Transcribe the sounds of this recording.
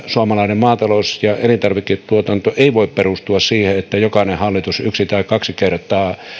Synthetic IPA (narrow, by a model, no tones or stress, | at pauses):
suɑmɑlɑˑinemmɑːt̪ɑlosjɑelint̪ɑrʋikitt̪uot̪ɑnt̪oʔeˑiʋoˑipperust̪uɑssiːheet̪ːæjokɑnehhɑlːit̪usyksit̪æˑikɑksikert̪ˑɑː